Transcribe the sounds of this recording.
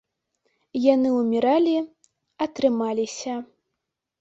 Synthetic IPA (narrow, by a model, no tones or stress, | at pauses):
janɨumʲiɾalʲi | ɐt̪ɾɨmalʲisʲɐ